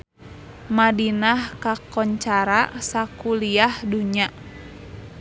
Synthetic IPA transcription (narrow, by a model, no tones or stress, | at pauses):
madinahkakɔɲt͡ʃaɾasakuliahduɲa